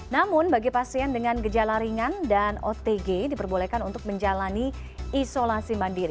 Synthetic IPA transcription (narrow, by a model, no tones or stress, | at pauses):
namʊnbaɡipasiandəŋanɡəd͡ʒalaɾiŋandano̰t̪eɡedipərbolekanunt̪ʊk̚məɲd͡ʒalani | isolasimandiɾi